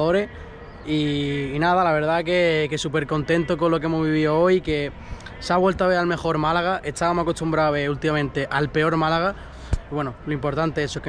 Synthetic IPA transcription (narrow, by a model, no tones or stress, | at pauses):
oɾe̞ | iːnaðalaβ̞e̞ɾðake̞kesupe̞ɾko̞nt̪e̞nt̪okonlːo̞k̬e̞mozβiβ̞ioo̞jke̞ | saβwe̞lt̪oaβe̞ɾalme̞xo̞ɾmalaɣ̞aʔet̪aβamosako̞st̪umbɾaoeult̪imamẽnt̪e̞ʔalpe̞o̞ɾmalaɣ̞a | iβwe̞noloimpo̞ɾt̪ant̪eesoke